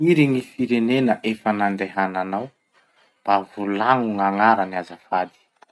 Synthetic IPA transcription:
iɾiŋifiɾenenəʔefənanɖ͡ʐeɦananaw | b̥avulaŋuŋaŋaɾaniazafad̪i̥

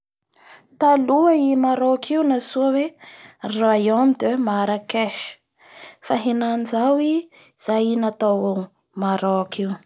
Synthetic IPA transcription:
t̪aluaimaɾokʰiunasuəweraaiamid̪emaɾakeʃ | faɦenanizawi | z̥ajinat̪awo | maɾoakʰiw

